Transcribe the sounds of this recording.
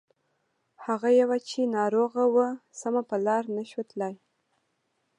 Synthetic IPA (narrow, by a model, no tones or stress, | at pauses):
haɣajawat͡ʃenɑɾoɣawəsamapəlɑɾnaʃwət̪laj